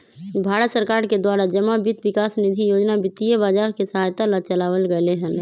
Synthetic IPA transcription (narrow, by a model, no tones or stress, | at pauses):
bʱaːɾət̪səɾkaːɾked̪waːɾad͡ʒəmabit̪ʋɪkaːsnɪd̪ʱijoːd͡ʒnabɪt̪ːijəbaːd͡ʒaːɾkesəɦaːjt̪alat͡ʃəlaːʋəlɡəleɦə̃n